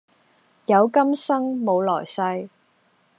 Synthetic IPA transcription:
jɐ˨˧wkɐ˥msɐ˥ŋmo˨˧wlɔː˨˩jsɐ˧j

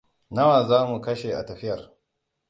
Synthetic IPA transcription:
nɐ˦waː˨zaː˦mu˨kɐ˦ʃe˨ʔa̰˨tɐ˨ɸɪ˦jɐ˨r

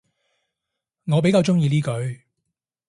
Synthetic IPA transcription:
ŋɔː˨˧pe˨˥jkaː˧wt͡ʃʊ˥ŋjiː˧liː˥kɵ˨˧ɥ

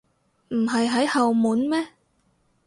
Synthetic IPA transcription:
m̩˨˩ɦɐ˨jɦɐ˨˥jhɐ˨wmuː˨˥nmɛː˥

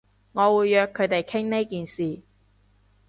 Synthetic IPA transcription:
ŋɔː˨˧wuː˨˧jːœː˧kʰːɵ˨˧ɥt̪e˨jkʰɪ˥ŋne˥kiː˨nsiː˨

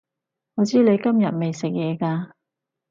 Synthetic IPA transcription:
hɔ˨˧t͡siː˥le˨˧jkɐ˥mjɐ˨t̚me˨jsɪ˨k̚jɛː˨˧kaː˧

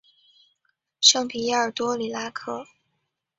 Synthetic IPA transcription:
ʂɤ˥ŋpʰi˨˩ja˥˩ə˨˩t̪wɔ˥li˨˩la˥kʰɤ˥˩

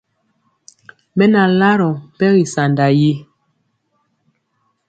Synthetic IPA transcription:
mɛ˦na˨la˦ɾɔ˨m˨pɛ˦ɣi˨sa˨nda˨ji˦

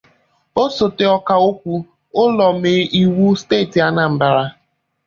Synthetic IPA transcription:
o˦so˨te˨ɔ˦ka˨o˦kʷu˦ | ʊ˦lɔ˨m̩e˨i˦wu˦steː˦˨ti˨a˦na˨m̩˦ba˨ɾa˦

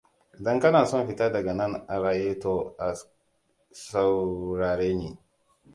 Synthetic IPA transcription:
dɐ˦ŋkɐ˦naː˨sɔ˦˨ɸi˦taː˦dɐ˨ɡɐ˨nɐ˦na˨ɾaː˨jeː˦to˦a˨ | sa˨wɾaː˨ɾeː˦ni˨

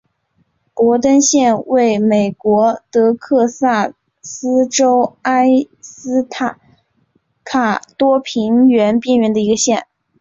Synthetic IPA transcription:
kwɔ˧˥t̪ə˥nɕjɛ˥˧nwe˥˩ɪme˨˩ɪkwɔ˧˥t̪ɤ˧˥kʰɤ˥˧sa˥˩ | sɹ̩˥ʈ͡ʂo˥ʊa˥ɪ | sɹ̩˥t̪ʰa˨˩ | kʰa˨˩t̪wɔ˥pʰi˧˥ŋɥɛ˧˥npjɛ˥˧nɥɛ˧˥nd̪ə˧i˧˥ɡə˧ɕjɛ˥˩n

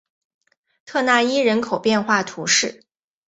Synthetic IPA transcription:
t̪ʰɤ˥˧na˥˩i˥ɻə˧˥nkʰo˨˩ʊpjɛ˥˧nxwa˥˩t̪ʰu˧˥ʂɻ̩˥˩

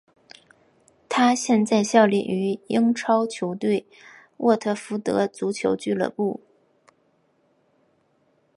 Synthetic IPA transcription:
t̪ʰa˥ɕjɛ˥˧nt͡sa˥˧ɪɕjɑ˥˧ʊlḭ˥˩ʔy˧˥i˥ŋʈ͡ʂʰɑ˥ʊt͡ɕʰjo˧˥ʊt̪we˥˩ɪ | wʔɔ˥˧t̪ʰɤ˥˩fu˧˥t̪ɤ̰˧˥t͡su˧˥t͡ɕʰjo̰˧˥ʊt͡ɕy˥˩lɤ̰˨˧˩pu˥˩

